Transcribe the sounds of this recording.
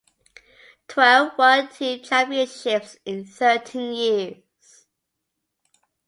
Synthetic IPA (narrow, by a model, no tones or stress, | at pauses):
tʰw̥ɛlˠvwətʰitʰabiəʃɪpsɪ̃nsɜˑtʰĩnjɪə | z̥